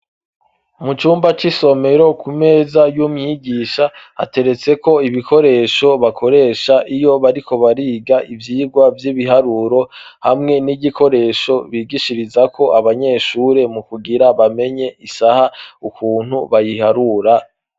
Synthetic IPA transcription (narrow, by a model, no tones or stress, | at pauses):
umut͡ʃuːmbat͡ʃiso̞me̞ɾo̞kʰume̞ːzajumɲiɡiːʃaha̰te̞ɾe̞t͡se̞ko̞iβikʰo̞ɾe̞ːʃo̞βakʰo̞ɾe̞ːʃaʔijo̞βaɾikʰo̞βaɾiːɡaivjiːɡwavjiβiɦaɾuɾo̞ | hamŋe̞niɟikʰo̞ɾe̞ːʃo̞βiːɡiʃiɾizakʰo̞ʔaβaɲe̞ːʃuːɾe̞mukuɡiɾaβame̞ɲe̞ʔisahaukuːn̥huβajihaɾuɾa